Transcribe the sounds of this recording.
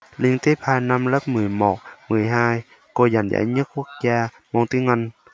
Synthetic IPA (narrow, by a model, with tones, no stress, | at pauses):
li˧əŋt̪i˦˥p̚haː˧na˧mlə˦˥p̚mɨ˨˩əjmo˨˩t̚mɨ˨˩əjɦaː˧j | ko˧za˨˩nza̰ː˧˩jɲə˦˥t̚ku˦˥ək̚zaː˧ | mɔ˧ŋt̪i˧˥ŋə˧n